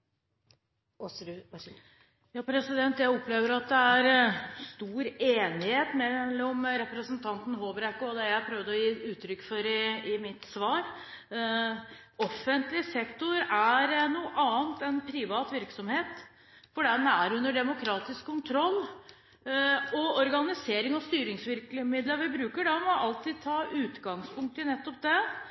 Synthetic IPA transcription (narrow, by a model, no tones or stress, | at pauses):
jɑːpʰɾɛsɪd̪ɛnt̪jæɪɔpːleːʋəɾɑt̪̚d̪ɛæɾst̪uːɾeːnɪheːt̪mɛlːɔmɾɛpɾəsnt̪ʰɑnt̪n̩hoːbəɾɛkːoɔd̪ɛjæpʰɾœʋd̪ɔjiːʉːt̪ʰɾʏkːfɔɾɪɪmɪt̪sʋɑːɾ | ɔfːənt̪lɪsɛkt̪ʊɾæɾnuːʔɑːnt̪ɛnpʰɾɪʋɑːt̪ʋɪɾksɔmheːt̪ | fɔɖæmæɾʉnːəɖɛmʊkʰɾɑːt̪ɪskʰːʊnt̪ʰɾɔlː | ɔɔɾɡɑnɪseːɾɪŋɔst̪yːɾɪŋsʋɪɾklɪmɪd̪ləʋɪbɾʉːkəɖɑmɔʔɑlt̪ʰiːd̪̚t̪ʰɑːʔʉːt̪ɡɑŋspʰʊŋk̚t̪ənɛt̪ːɔp̚d̪ɛ